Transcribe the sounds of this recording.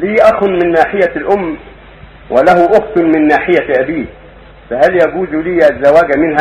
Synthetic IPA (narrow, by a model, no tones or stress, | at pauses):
liːʔɑxʊnmɪnːaːħɪjalʔʊmː | wʔɪlahʊʔʊxt̪ˤnmɪnːaːħɪjaʔabiː | fahaljaɡuːzliːʔazːawaːɡmɪnha